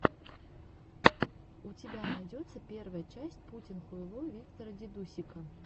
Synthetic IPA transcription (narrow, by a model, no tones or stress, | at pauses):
ut͡sʲɪbʲanajd͡zʲɔt̪sːɐpʲɛrvɐjɐt͡ʃasʲt͡sʲput͡sʲinxujlˠɔvʲikt̪ɐɾɐd͡zʲid̪usʲikɐ